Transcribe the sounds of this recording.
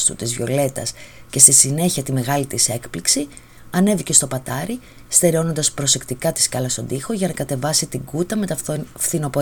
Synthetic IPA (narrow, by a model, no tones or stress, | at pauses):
st̪ṵt̪izvʝo̞̰le̞t̪ɐ̰sce̞st̪isine̞çiɐt̪ime̞ɣɐlit̪ise̞kpliksi | ɐne̞vice̞st̪o̞pɐt̪ɐɾi | st̪e̞ɾeo̞no̞nd̪ɐspɾo̞se̞kt̪ikɐt̪i̥skɐlɐst̪o̞nd̪ixo̞ʝɐnɐkɐt̪e̞vɐsit̪iɡut̪ɐme̞t̪ɐfθino̞po̞